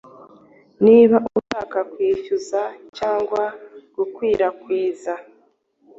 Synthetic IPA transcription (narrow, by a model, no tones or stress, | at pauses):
niːβaʔuutaːkakwiːcuzacaːŋɡwaɡ̥ukwiːɾakwiːza